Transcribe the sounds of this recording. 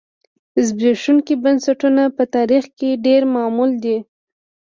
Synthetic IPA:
zbeʂuŋkibansaʈunapət̪ɑɾixkeɖeɾmɑmuld̪i

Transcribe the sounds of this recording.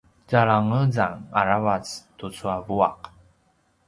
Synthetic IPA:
d͡ʒaɭaŋəzaŋa̰ɾavat͡stut͡suavua̰q

